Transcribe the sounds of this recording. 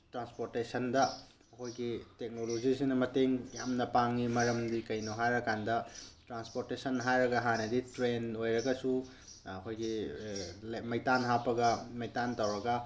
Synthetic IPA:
tɾanspoɾtesɐndɐ | ɐkʰojɡitek̚nolozisinɐmɐteŋjamnɐpaŋːimɐɾɐmdikɐjnoɦajɾɐkandɐtɾanspoɾtesɐnɦajɾɐɡɐɦanɐditɾenojɾɐɡɐsu | ɐkʰojɡi | lmɐjtanɦapɐɡɐmɐjtantɐwɾɐɡɐ

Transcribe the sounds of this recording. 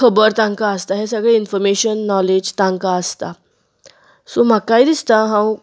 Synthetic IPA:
kʰəbəɾt̪ãŋkaəst̪aɦesəɡɭeinfɔɾmeɕənːɔled͡ʑt̪ãŋkaəst̪a | som̤akːaiːd̪ist̪aɦãw

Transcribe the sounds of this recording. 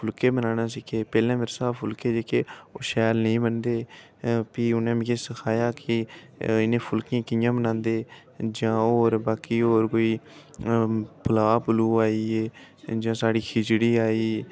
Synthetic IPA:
pʰʊlkeːbənãːɽ̃ãːs̬ɪkʰeːpɛːlãːmɪɾsaːpʰʊlkeːd͡ʒekeːoːʃɛːlnəĩːbənd̪eː | piːʊnãːmɪ̃keːsəkʰaːjaːkɪ | ɪnẽːpʰʊlkĩːkɪjãːbənãːnd̪eː | d͡ʒãːoːɾbaːkiːoːɾkoːiː | pʰəlaːpʊluːaːiːeː | d͡ʒãːsaːɽiːkʰɪd͡ʒɽiːaːiː

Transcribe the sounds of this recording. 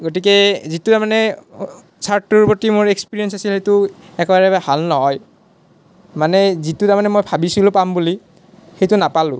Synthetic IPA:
ɡotik̬ɛzitʊtaɹmanɛ | sʰaɹtːuɹbotimoɹekspiɹiɔnsasilhejtʊ | ɛkɔbaɹɛbabʱalnɔɦɔj | manɛzitʊtaɹmanɛmojbʱabisilʊ̃pambuli | xejtʊnapalʊ̰̃

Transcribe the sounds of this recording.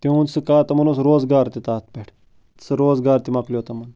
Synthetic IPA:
t̪iũːnsɨkaːt̪ɐmɐnoːsɾoːzɡaːɾt̪it̪aːt̪̚ʰpeʈ̪ʰ | sɨɾoːzɡaːɾt̪imɐklʲjoːt̪ɐmɐn

